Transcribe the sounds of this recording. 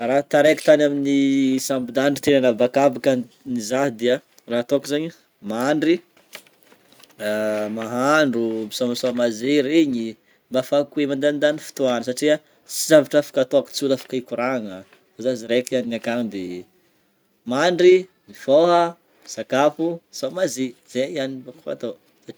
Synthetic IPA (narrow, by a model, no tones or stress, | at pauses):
rat̪aɾeki̥t̪anaminisampid̪aɳɖ͡ʐi̥t̪enanəbakabakə | nizaɦd̪iə | raɦat̪okizaɲi | maɳɖ͡ʐi | maɦaɳɖ͡ʐubisomasomazeɾeɲi | mbafakuemand̪and̪anifi̥t̪uanəsaʈ͡ʂia | t͡sizavaʈ͡ʂafḁkat̪oaku̥t͡sulafḁkaikuɾaŋə | ozaziɾekianiŋakanb̪i | maɳɖ͡ʐi | mifoɦə | misakapusomaziz̥eianibaka̰t̪o | saʈ͡ʂi